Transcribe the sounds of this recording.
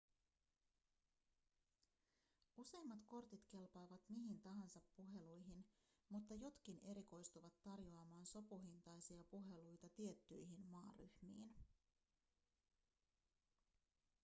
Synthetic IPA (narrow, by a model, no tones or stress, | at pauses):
use̞jmːɑt̪ko̞rt̪it̪ke̞lpɑːʋɑt̪miɦint̪ɑɦɑnsɑpːuɦe̞lujɦinmut̪ːɑjo̞t̪k̟ine̞ɾiko̞jst̪uʋɑt̪ːɑrjo̞ɑmɑːnso̞puɦint̪ɑjsiɑpuɦe̞lujt̪ɑt̪ie̞t̪ːyjɦinmɑːry̰hmḭːn